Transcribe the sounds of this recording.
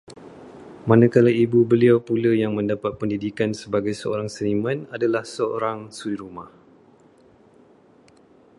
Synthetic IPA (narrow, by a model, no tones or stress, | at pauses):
mãnãkalaibubəliawpulajaŋmə̃ndapat̪̚pəndidikansəbaɡajsəo̰ɾaŋsənimãnadalahsəo̰ɾaŋsuliɾumah